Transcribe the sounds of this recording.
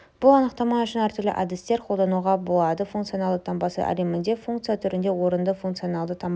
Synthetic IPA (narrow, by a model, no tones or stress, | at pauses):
b̥ʊlˠɑnəq̚t̪ɑmɑʏʃɪnæɾt̪ʏɾlɪ̰ʔɑd̪ɪst̪e̞ɾqʰo̞lˠd̪ɑnuʁɑbolˠɑd̪əfuŋkt̪sionɑlˠd̪ət̪ʰɑmbɑsə̰ʔæ̰ɾemɪnd̪e̞fuŋkt̪sɨjat̪ʰʏɾɪnd̪e̞wo̞ɾənd̪əfuŋkt̪sijo̞nɑlˠd̪ət̪ʰɑm